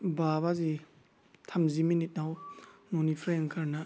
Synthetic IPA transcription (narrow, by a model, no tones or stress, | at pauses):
baβazi | tʰamziminit̚nawnonipʰɾeŋkʰaɾna